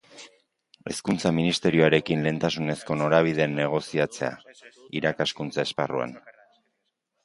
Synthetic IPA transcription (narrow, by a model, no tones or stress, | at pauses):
e̞̰skunt͡saminist̪e̞ɾioaɾe̞kinle̞ːnt̪asune̞sko̞no̞ɾaβ̞iðe̞nːe̞ɣ̞o̞siat͡se̞a̰iɾakaskunt͡sae̞sparua̰n